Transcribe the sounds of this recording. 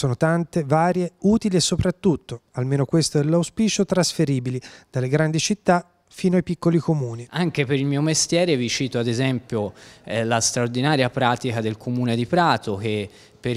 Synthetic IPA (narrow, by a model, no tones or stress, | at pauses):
soːnot̪ant̪evaːɾjeuːt̪iliesːopɾat̪ːut̪ːoalmeːnokwest̪oɛlːawspiːt͡ʃot̪ɾasfeɾiːbilid̪̥alːeɡɾand̪it͡ʃit̪ːa | fiːnoajpikːolikomuːniaŋk̟epeɾilmiːomest̪jɛːɾevit͡ʃiːt̪oad̪ezɛmpjolast̪ɾaord̪inaːɾjapɾaːt̪ikad̪elkʰomuːned̪ipɾaːt̪ok̟e | pːe